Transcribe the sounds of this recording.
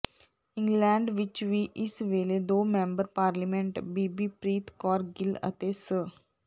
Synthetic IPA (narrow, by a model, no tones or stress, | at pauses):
ɪ̃ŋɡlɛ̃ːɳɖʋɪt͡ʃʋiʔɪsʋeːled̪oːmɛ̃mbəɾpaːɾlimẽɳʈbiːbipɾiːt̪ʰkɔːɾɡɪlə̰t̪esə